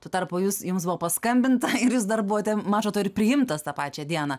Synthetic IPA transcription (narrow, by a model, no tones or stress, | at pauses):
t̪uɔt̪ɐrpʊːjuːsjʊmsbʊʋoːpɐskɐmʲbʲɪnt̪ɐɪɾjuːsd̪ɐrbʊʋoːt̪ʲɛmɑːt͡ʃoːt̪oːɪɾpʲɾʲɪjɪmt̪ɐst̪ɑːpɑːt͡ʃʲɛd̪ʲiɛnɐ